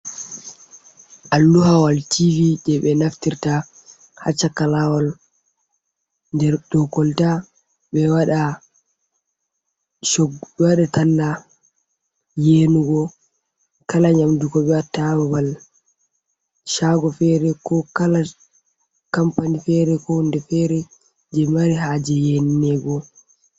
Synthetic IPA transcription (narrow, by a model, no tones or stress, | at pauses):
ʔalːuɦawaltivid͡ʒɛɓɛnaftiɾta | ha̰t͡ʃːakːalawɔl | ndɛɾdɔkːɔlta | ɓɛwaɗa | ʃɔɡɓwaɗatanːa | jeːnuɡɔ | kalaɲamdukɔɓɛwatababal | ʃaːɡɔfɛɾɛkɔkala | kampanifɛɾɛkɔndɛfɛɾɛ | d͡ʒɛmaɾiɦaːd͡ʒɛjenːɛɡɔ